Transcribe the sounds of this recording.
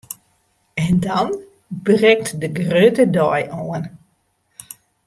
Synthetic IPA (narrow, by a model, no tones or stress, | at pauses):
ɛndɔn | brɛk̚tdəɡrøːtədɔjʔoən